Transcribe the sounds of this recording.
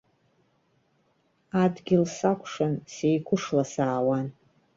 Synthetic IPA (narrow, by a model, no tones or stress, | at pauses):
adɡʲɪlsakʷʰʂansejkʷʰʊʂlasaːwan